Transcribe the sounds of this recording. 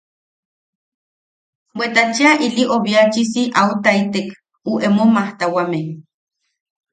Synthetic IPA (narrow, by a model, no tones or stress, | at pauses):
bʷwet̪at͡ʃiaʔiliʔoβiat͡ʃisiʔaut̪ait̪ek | uʔemomaht̪awameŋ